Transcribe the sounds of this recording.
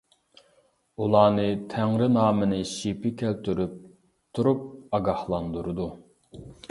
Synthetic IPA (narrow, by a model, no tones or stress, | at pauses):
ulˠɑːnɨt̪ʰæŋɾɪnɑːmɨnɨʃipɪkʲʰælt̪ʰyɾyp̚ | t̪ʰuɾup̚ɑɡɑhlˠɑnd̪uɾɨd̪u